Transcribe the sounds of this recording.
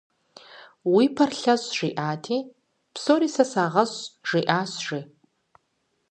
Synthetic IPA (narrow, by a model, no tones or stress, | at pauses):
wiːpʰɐrɬɐzʒ̥iːʔaːtʰeː | psoːɾiːsɐsaːʁɐɕʐ̥iːʔaːɕʐiː